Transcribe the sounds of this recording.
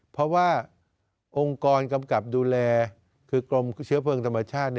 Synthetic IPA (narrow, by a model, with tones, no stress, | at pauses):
pʰɔ˦˥waː˥˩ | ʔo˧ŋkɔː˧nka˧mka˨˩p̚duː˧lɛː˧ | kʰɯː˧klo˧mt͡ɕʰɯ˦˥ɐpʰɤː˧ŋt̪ʰa˧mːa˧t͡ɕʰaː˥˩t̪̚ni˥˩